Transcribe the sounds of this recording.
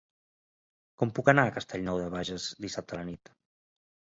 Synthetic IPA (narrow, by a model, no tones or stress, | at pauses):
kɔmpukənaəkəst̪ʰɛʎnɔwðəβaʒəzd̪isap̚t̪ələnit̪